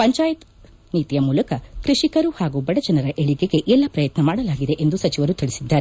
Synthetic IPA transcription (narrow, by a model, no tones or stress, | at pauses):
pɐɲt͡ʃaːjɐt̪ | niːt̪ijɐmuːlɐkɐkɾiʂikɐɾuhaːɡubɐɽɐd͡ʒɐnɐɾɐʔeɭiɡe̞ɡe̞ʔɛlːɐpɾɐjɐt̪nɐmaːɽɐlaːɡid̪e̞ʔend̪usɐt͡ʃiʋɐɾut̪iɭisid̪ːaːɾe